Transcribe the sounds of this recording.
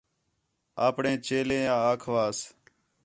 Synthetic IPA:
aːpɳẽːt͡ʃeːlẽːjãːaːkʰʋaːs

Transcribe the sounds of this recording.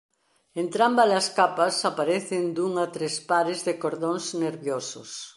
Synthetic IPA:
ent̪ɾambalaskapɐsapaɾeθɪnd̪uŋat̪ɾespaɾɪzðɪkoɾðoŋzneɾβjosʊ̰s

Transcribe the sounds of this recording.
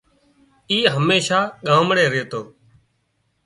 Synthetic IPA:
iːɦəmeːʃaːɠãːmɽeːɾeːt̪oː

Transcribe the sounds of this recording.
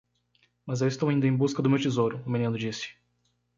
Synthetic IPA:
mɐzewɪst̪owaĩnd̪ɐẽj̃buskɐd̪ʊmewt͡ʃizoɾʊːmĩnĩnʊd͡ʒisɪ̥

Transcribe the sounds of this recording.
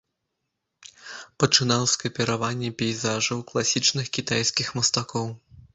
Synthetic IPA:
pɐt͡ʂɨn̪awskɐpʲɛɾavanʲːɛpʲɛjzaʐɐwklˠasʲit͡ʂnɨxkʲit̪ajskʲixmɐst̪akɔw

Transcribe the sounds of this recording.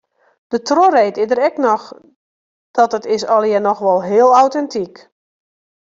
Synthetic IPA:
d̥ətrorejtɪdəɾɛknɔx | d̥ɔtətɪsɔlˠjɛnɔxʋɔlˠɦɪəlˠawtɛntʰik

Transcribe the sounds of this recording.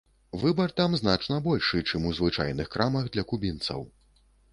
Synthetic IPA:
vɨbɐrt̪amznat͡ʂnɐbɔlʲʂɨt͡ʂɨmuzvɨt͡ʂa̰jnɨxkɾamɐɣd̪lʲɐkubʲint̪sɐ̰w

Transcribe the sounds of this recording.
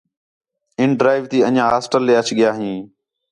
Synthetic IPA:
ɪɳɖɾaːɪʋt̪iːəɲãːɦaːsʈəlːeːət͡ʃʰɠɪjaːɦĩː

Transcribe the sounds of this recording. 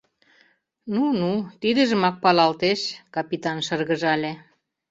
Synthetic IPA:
nunut̪id̪ə̆ʒə̆mɑk̚pɑlɑlt̪eʃkɑpit̪ɑnʃɤrɣəʒɑlʲe

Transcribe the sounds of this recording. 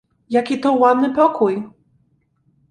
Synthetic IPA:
jakʲit̪ɔwad̪nɘpɔkuj

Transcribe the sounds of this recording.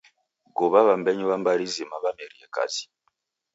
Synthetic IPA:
ɡɔβaβambɛɲiβambaɾizimaβamɛɾijɛka̰zi̥

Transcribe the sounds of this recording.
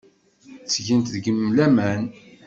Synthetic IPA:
θʝənt̪ðəɡəmːlæmæn

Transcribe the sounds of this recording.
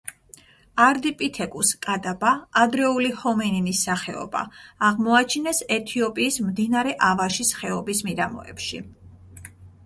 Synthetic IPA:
aɾd̪ipʼit̪ʰɛkʼuskʼad̪abaːd̪ɾɛulihɔmɛnimisaχɛɔ̰ba̰ːʁmɔat͡ʃʰinɛsɛt̪ʰiɔpʼiːsmd̪inaɾɛʔavaʃisχɛɔbismid̪amɔ̰ɛ̰pʃḭ

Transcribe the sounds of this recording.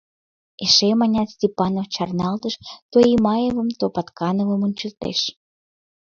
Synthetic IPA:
eʃemɑnʲɑt̪sʲtʲepɑnoft͡ɕɑrnɑlt̪əʃt̪oimɑjevə̆mt̪opɑt̪kɑnovə̆munʲt͡ɕəlt̪ḛʃ

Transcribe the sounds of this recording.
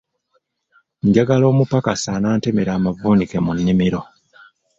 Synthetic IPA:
ɲɟaɡalo̞ːmupakasaːnaːntemeɾaːmavuːnikemunːimiɾo̞

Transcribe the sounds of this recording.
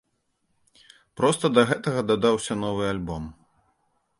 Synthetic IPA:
pɾɔst̪ɐd̪ɐɣɛt̪ɐɣɐd̪ɐd̪awsʲɐnɔvɨalʲbɔm

